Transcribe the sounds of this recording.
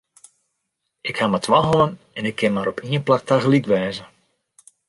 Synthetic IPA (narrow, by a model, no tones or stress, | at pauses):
ɪkhaːmatʋaɦɔən | ɛnɪkːɪnmaːɾɔpʰiənplak̚taɣlikʋɛːzə